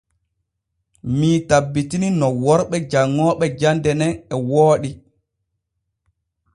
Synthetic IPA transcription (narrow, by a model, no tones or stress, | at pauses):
miːtabːitininɔwɔɾɓɛd͡ʒaŋːɔːɓɛd͡ʒandɛnɛnɛwoːɗi